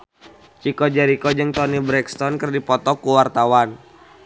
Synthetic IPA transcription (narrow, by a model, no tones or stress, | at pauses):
t͡ʃikɔd͡ʒaɾikɔd͡ʒɨŋt̪ɔnibɾɛkst̪ɔnkərdipɔt̪ɔkuwart̪awan